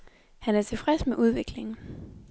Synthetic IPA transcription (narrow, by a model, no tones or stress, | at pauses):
hænæɐt͡sʰe̝fʁɛsmeʔuð̞ˠʋe̝ɡ̥le̝ŋn̩